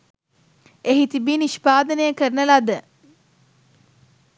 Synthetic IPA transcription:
eɦit̪ibiːniʃpaːd̪ənəjəkəɾnəlad̪ə

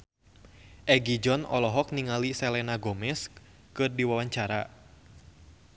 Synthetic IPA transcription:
ʔɛɡid͡ʒɔnʔɔ̰lɔɦɔk̚niŋalisɛlɛnaɡɔmɛs | kɨrdiwawaɲt͡ʃaɾa̰

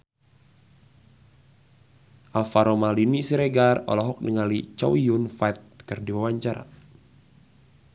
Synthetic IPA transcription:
ʔalfaɾɔmalinisiɾeɡarɔ̰lɔɦɔk̚nəŋalit͡ʃawiunfajt̪̚kɨrdiwawaɲt͡ʃaɾa̰

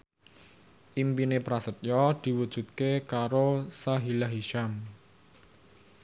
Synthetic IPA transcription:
ʔimpinepɾasət̪̚jɔd̪̥i̤wud̥ʒ̥ṳt̪̚kekaɾosaɦilaɦiʃam

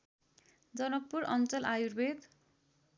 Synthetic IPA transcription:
d͡zʌnʌk̚puɾʌnt͡sʌlʔajurbed̪

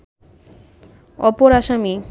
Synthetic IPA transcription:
ɔ̰poɾaʃami

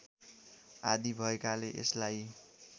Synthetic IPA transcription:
a̰d̪ibʱʌekaleʔeslaj

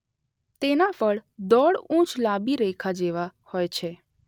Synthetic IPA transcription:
t̪enafəɭd̪ɔɭũt͡ʃlabiɾɛkʰad͡ʒeʋahojt͡ʃʰe

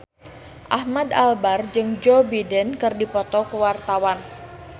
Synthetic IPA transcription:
ʔahmad̪albard͡ʒɨŋd͡ʒobidɛnkɨrdipɔt̪ɔkəwart̪awan

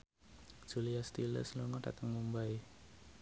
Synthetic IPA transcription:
d͡ʒ̥uliast̪ilə̰sluŋɔʈa̰t̪əŋmumbaj

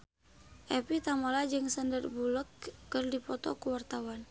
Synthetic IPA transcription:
ʔɛpit̪amalad͡ʒɨŋsandərbuləkːərdipɔt̪ɔ̰kuwart̪awan

